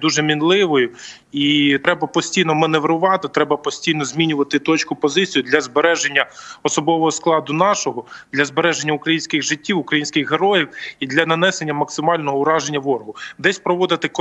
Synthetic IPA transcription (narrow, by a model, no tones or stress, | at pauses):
d̪uʒɛmʲinlˠɪʋɔjʊ | it̪ɾɛbɐpɔsʲtʲijnɔmɐneʋɾʊʋɑt̪ɪt̪ɾɛbɐpɔsʲtʲijnɔzʲmʲinʲʊʋɐt̪ɪt̪ɔt͡ʃkʊpɔzɪt͡sʲijʊd̪lʲɐzbeɾɛʒenʲːɐɔsɔbɔʋɔɦɔsklˠɑd̪ʊnɑʃɔɦɔd̪lʲɐzbeɾɛʒenʲːɐʊkɾɐjinʲsʲkɪɣʒɪtʲːiwʊkɾɐjinʲsʲkɪxɦeɾɔjiwid̪lʲɐnɐnɛsenʲːɐmɐksɪmɑlʲnɔɦɔʊɾɑʒenʲːɐʋɔrɦʊd̪ɛsʲpɾɔʋɔd̪ɪt̪ɪk